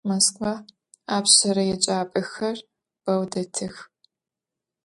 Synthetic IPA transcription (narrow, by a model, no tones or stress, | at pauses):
moskvaː | aːpɕɐɾɐjɛt͡ʃʼaːpʼɨxɐr | b̥ɐwdɐtʰɨx